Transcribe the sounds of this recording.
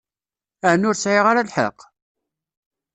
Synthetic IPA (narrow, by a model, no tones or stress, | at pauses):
əʕnʊɾsʕiʁaɾalħə̰qː